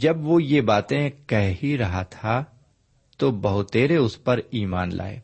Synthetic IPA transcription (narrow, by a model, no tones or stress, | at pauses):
d͡ʒɐbʋojeːbaːt̪ẽkɐɦɦiɾɐɦat̪ʰa | t̪obɐɦʊt̪ːeːɾeʊspɐɾiːmaːnlʔa̰ːḛː